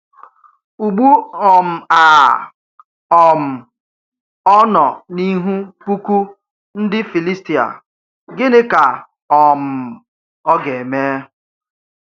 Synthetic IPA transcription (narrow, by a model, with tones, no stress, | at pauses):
u˨ɡ͡bu˦ɔ˨m̩˨a˨ | ɔ˨m̩˨ | ɔ˦nɔ˨ni˦ɦu˦pu˦kʷu˦ | n̩˦dɪ˦fi˨li˦sti˨a̰˨ | ɡɪ˦nɪ˦ka˨ | ɔ˨m̩˨ | ɔ˦ɡe˨meː˦